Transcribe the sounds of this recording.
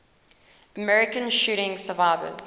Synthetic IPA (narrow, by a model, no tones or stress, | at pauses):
əmɛɹɪkə̃nʃuːɾɪ̃ŋsəvaɪvə̰z̥